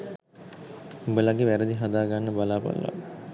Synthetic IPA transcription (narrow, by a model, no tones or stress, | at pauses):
ubəlaɡeʋæɾəd̪iɦad̪aːɡanːəbalaːpa̰lʋa̰